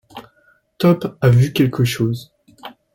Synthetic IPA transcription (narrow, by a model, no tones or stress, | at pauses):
t̪ɔpavykʲɛlkʰəʃoːz